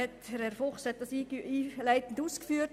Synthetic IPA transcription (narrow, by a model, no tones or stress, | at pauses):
ɛtɾɛɾfʊχshɛt̚d̥ɑsiːiːlæɪtn̩duːskfyːəɾt